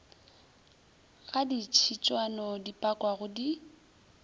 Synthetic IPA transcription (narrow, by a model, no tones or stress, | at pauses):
ɣadit͡ʃʰit͡ʃʼwanɔdipʼakʼwaɣʊdi